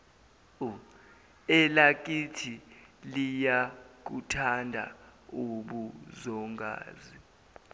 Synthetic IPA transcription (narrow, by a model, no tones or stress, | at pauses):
u | ɛlak̬itʰilijak̬utʰandʱauɓuzɔŋɡa̰ːzi